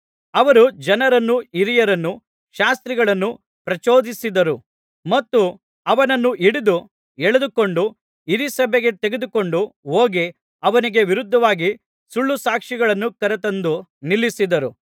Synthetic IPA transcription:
ɐʋɐɾud͡ʒɐnɐɾɐnːuiɾijɐɾɐnːu | ʃaːst̪ɾiɡɐɭɐnːu | pɾɐt͡ʃoːd̪isid̪ɐɾu | mɐt̪ːu | ɐʋɐnɐnːuʔiɽid̪u | ɛɭed̪uko̞ɳɖu | iɾisɐbeɡe̞t̪e̞ɡed̪uko̞ɳɖuɦoːɡi | ɐʋɐniɡe̞ʋiɾud̪ʱːɐʋaːɡi | suɭːusaːkʂiɡɐɭɐnːukɐɾɐt̪ɐnd̪unilːisid̪ɐɾu

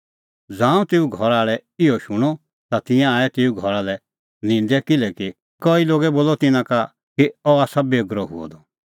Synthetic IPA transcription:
d͡zãːũt̪eːuɡʱɔɾaːɭɛɪɔʃʊɽ̃ɔ | t̪at̪ɪ̃jãaːɛt̪eːuɡʱɔɾalɛ | nɪ̃nd̪ɛkɪlɛki | kɔːiloːɡɛboːlɔt̪ɪnãka | kiɔaːsabeːɡɾɔɦʊ̰ɔ̰d̪ɔ

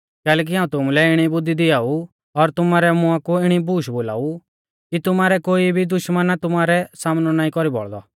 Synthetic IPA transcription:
kɛːlɛːk̬iɦaːũt̪ʊmulɛɪɽ̃ibʊd̪ːid̪ɪaːu | ɔɾt̪ʊmaːɾɛmʊakuɪɽ̃ibuːʃboːla̰ːu | kit̪ʊmaːɾɛkoːibʱid̪ʊʃmənat̪ʊmaːɾɛsaːmnɔnaːĩkɔɾibɔ̰ɭd̪ɔ̰

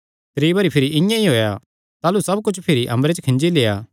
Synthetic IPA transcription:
t̪ɾiːbɐɾipʰɪɾiʔɪ̃jãiɦoːja | t̪aːlusɐbkʊt͡ʃʰpʰɪɾiʔɐ̰̃mbɾet͡ʃkʰɪ̃nd͡ʒileːaː

